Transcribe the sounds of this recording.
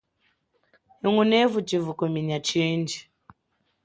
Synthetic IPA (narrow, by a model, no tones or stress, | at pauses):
hiŋunɛvut͡ʃivukomiɲat͡ʃind͡ʒi